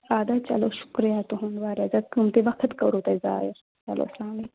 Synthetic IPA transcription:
aːd̪at͡ʃɐ̰loːʃu̥kɾijaːt̪uɦunʋaːɾjazɐt̪̚kɨmt̪iʋɐkʰət̪kɐɾuːt̪ɐjza̰ːjiɾ | t͡ʃɐ̰lʔo̰ːsaːmi

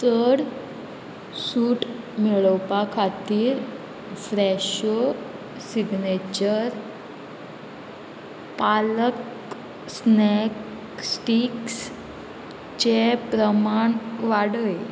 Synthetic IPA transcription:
t̪əɽ | suːʈ | meɭəwpakʰat̪iːɾ | fɾɛɕo | siɡnet͡ɕəɾ | palək | snek | sʈiks | t͡ɕepɾəmaɳʋaɽəj

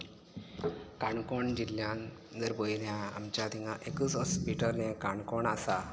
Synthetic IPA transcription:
kaɳkoɳd͡ʑilːjãn | d͡zəɾboiljãa̰mt͡ɕjad̪iŋɡaʔekusɦɔspiʈəɾnekaɳkɔɳasa

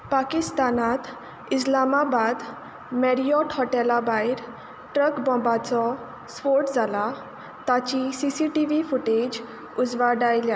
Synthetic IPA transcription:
pakist̪anat̪ | is̬lamabad̪ | mɛɾijɔʈhɔʈɛlabaiɾ | ʈɾəkbɔ̃mbat͡sɔ | spoɾʈd͡zʱala | t̪at͡ɕisisiʈiʋifuʈed͡ʑ | ud͡zʋaɖajlja

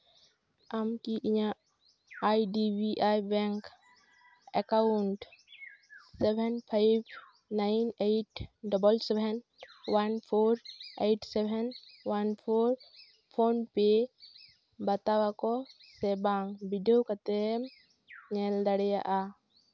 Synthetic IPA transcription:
amkiʔiɲa | ajɖibiʔajbɛŋk | ɛkaɳʈ | sɛbʱɛnpʰajb | najneʈɖɔbəlsɛbʱɛn | wanpʰoɾejʈsɛbʱɛnwanpʰoɾ | pʰonpe | bət̪awakɔ | sɛbaŋɡbiɖiokat̪ɛ | ɲɛld̪əɽja̰ʔa

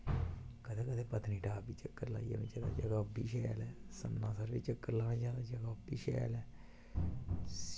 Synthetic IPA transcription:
kəd̪eːkəd̪eːpət̪niːɖaːbiːt͡ʃəkːəɾla̰ːija̰ːmḛ̃ːd͡ʒaːd̪a̰ːd͡ʒəɡaːbiːʃɛːja̰ːlɛːsəmnãːsəɾʋiːt͡ʃəkːəɾlaːʋẽːd͡ʒaːd̪aːd͡ʒəɡaːbiːʃɛ̰a̰ːlɛː

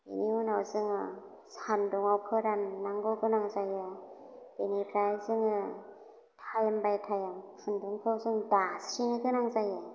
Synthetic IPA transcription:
ḛniunawzɯŋɯ | sanduŋawpʰɯɾanːaŋɡɔɡɯnaŋzajɯ | enipʰɾajzɯŋɯ | tʰajambajtʰajampʰɯnduŋpʰɯwzɯŋdasɾiŋɯɡɯnaŋzajɯ

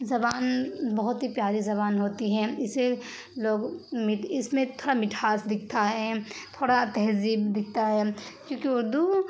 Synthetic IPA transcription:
zɐbaːnbɐɦʊt̪ɦipjaːɾizɐβaːnɦoːt̪iɦɛ̃ɪse | loːɡmɪɪsmẽt̪ʰoːɽamɪʈʰaːsd̪ɪk̚ʰt̪aɦɛːt̪ʰoːɽat̪ɛɦziːbd̪ɪk̚t̪aɦɛːkjõːkiʊɾd̪u

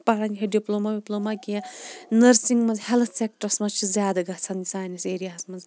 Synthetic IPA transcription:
paɾɐniɦʰeɖiploːmabiploːmakiãnɐɾsiŋɡmɐnzhelt̪ʰsek̚ʈɐɾsmɐzt͡ʃʰizʲjaːd̪ɐɡɐt͡sʰɐnisaːjniseːɾijaːsmɐnz

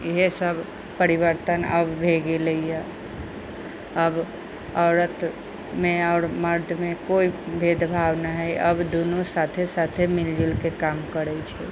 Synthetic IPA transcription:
iɦesəb | pəɾiβəɾt̪ənəbbʱeɡeləijə | əb | əʊɾət̪ | meaʊɾməɾd̪ʱmekoibʱed̪bʱabnaɦɛjʔəbd̪onosat̪ʰesat̪ʰemild͡ʒilkekamkəɾɛt͡ʃʰɛ

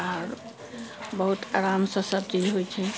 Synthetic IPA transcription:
aɾ | bəɦut̪aɾamsə̃sət̪id͡ʒɦojt͡ʃʰɛ

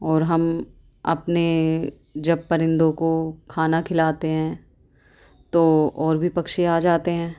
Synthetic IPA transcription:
ɔːɾɦɐm | ɐ̰pne | d͡ʒɐb̚pɐɾɪ̃nd̪õkokʰaːnakʰɪlaːt̪eɦɛ̃ː | t̪oɔːɾbʱipɐkʃeaːd͡ʒaːt̪eɦɛ̃ː

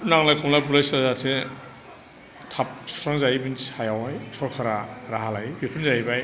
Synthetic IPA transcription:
naŋlajkʰɔmlabulajsaɾzatʰe | tʰap̚sʰɔ̥tʰaŋzaibinsajawajsʰɔɾkʰaɾaɾaɦalabepʰinzajbaj

